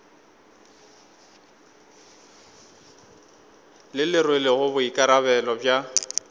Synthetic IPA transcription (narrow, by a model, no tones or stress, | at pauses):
lɪlɪrwelɪɣʊbʊikʼaɾaβɛlɔbja